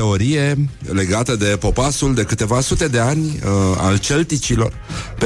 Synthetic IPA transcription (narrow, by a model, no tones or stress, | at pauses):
eo̞ɾije̞le̞ɡat̪əd̪e̞po̞pasuld̪e̞kɨt̪e̞vasut̪e̞d̪e̞anʲa̰lt͡ʃe̞lt̪it͡ʃilo̞̰r | p